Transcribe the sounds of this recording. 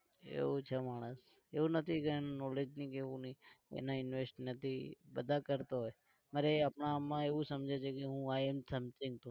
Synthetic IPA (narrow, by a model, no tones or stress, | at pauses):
ḛʋot͡ʃʰemaɽ̃əs | eʋunət̪ʰikeenunɔled͡ʒnikeʋũniḛnaɪnʋesʈnət̪ʰibəd̪ʱakəɾt̪aɦoj | maɾeapɳamːãeʋũsəmd͡ʒʱet͡ʃʰekeɦũaemsəmt͡ʃĩŋ̚t̪ũ